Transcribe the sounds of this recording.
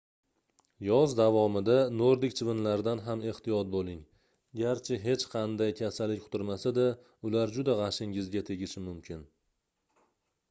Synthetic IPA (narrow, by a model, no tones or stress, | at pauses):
jɒzd̪avɒmɪd̪anoɾd̪ɪk̚ʲt͡ʃʰvɪnlaɾd̪anɦame̞ht̪ijɒt̪̚bolɪŋ | ɡʲaɾt͡ʃʰɪɦe̞t͡ʃqʰɑnd̪ajkʲʰasalːɪkʲqʰʊt̪ʊɾmasad̪ɪ | ʊlaɾd͡ʒʊd̪aʁɑʃɪŋɪzɡʲat̪ʰe̞ɡʲɪʃɪmʊmkʲʰɪn